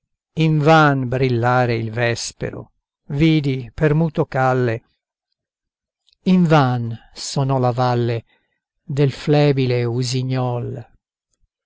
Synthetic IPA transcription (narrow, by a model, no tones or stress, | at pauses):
iɱvanbɾilːaːɾeilvɛspḛɾo̰ | viːd̪ipermuːt̪okalːe | iɱvansonɔlavalːe | d̪elflɛːbileuziɲːɔl